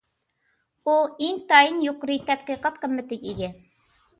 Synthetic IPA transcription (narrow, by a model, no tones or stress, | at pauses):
uiŋt̪ɑjinjoqɾɨt̪ɛt̪̚qɨqɑt̪̚qəmːɪt̪ɪkʲiɡʲɪ